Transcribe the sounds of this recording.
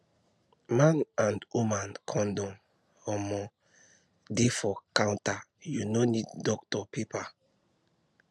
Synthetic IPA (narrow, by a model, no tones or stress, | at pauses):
mãnãndwumãnkʰɔ̃ndɔ̃m | ɔmɔ | defɔkãw̃ntajunonidːɔktɔpepa